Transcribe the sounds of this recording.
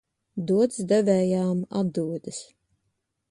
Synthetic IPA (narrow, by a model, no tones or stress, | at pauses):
d̪uɔt̪sd̪ɛvʲɛːjaːma̰d̪uɔd̪ɨs